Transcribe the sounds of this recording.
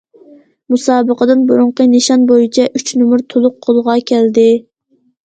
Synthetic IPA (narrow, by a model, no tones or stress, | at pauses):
musɑːbəqəd̪ɨnbuɾʊɴqəneʃɑnbojit͡ʃʰɛʔyt͡ʃʰnumʊɾt̪ʰolˠʊq̚ʰːolˠʁɑkʲʰɛld̪ɪ